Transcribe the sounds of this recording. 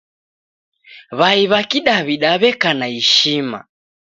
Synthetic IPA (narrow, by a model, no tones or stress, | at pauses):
βaiβakiɗaβiɗaβɛkanaiʃima̰